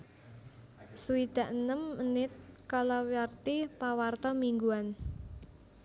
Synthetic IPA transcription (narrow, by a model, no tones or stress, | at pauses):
suid̪̥a̤ʔnəmənɪt̪̚kalɔwiart̪ipawart̪ɔmiŋɡuan